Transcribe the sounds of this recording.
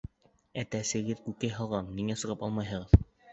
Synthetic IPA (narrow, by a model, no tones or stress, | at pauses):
æt̪æsɘ̆ɡɘðkʉkæjɦɑlˠʁɑnniŋæsɤ̆ʁɤpɑlˠmɑjɦɤ̆ʁɤð